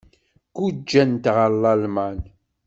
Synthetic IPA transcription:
kud͡ʒːænt̪ʁəlːɑlmæn

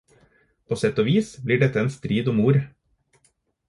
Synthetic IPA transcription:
pʰoːsɛt̪ɔoːʋiːsbliːɖɛt̪əeːnst̪ɾiːd̪ʊmuːɾ

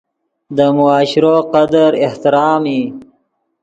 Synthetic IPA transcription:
d̪əmʊɑːɕɪɾoːqɐd̪əɾɪht̪ɪɾɑːmi

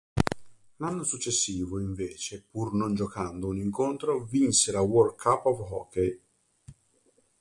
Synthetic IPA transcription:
lanːosut͡ʃːesːiːvoiɱveːt͡ʃepurnond͡ʒokand̪ouniŋkont̪ɾovinseɾawɔrkʰapːɔvɦɔkːej

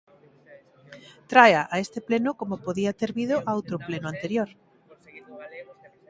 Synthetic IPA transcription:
t̪ɾajaʔaest̪eplenʊkomopoðiat̪eɾβið̞oʔaowt̪ɾoplenoant̪eɾjoɾ

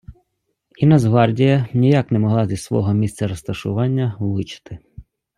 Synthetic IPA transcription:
inɐzɦʋɑrdʲijɐnʲijɑknɛmɔɦlˠɑzʲlʲisʋɔ̰ɦɔmʲist̪sɛɾɔst̪ɐʃʊ̰ʋɑnʲːɐʋɪt͡ʃɪ̥t̪ɪ

